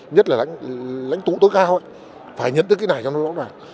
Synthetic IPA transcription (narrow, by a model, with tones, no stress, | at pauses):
ɲə˦˥t̚laː˨˩la̰˧˥jŋ̟la̰˧˥jŋ̟t̪ṵ˧˨t̪o˨˦jkaː˧ho̰˧˨j | faː˧˩jɲə̰˧˨nt̪ɨ˨˦kːaː˨˦jnaː˨˩jt͡ɕɔ˧no˨˦lɔ̰˧˦waː˨˩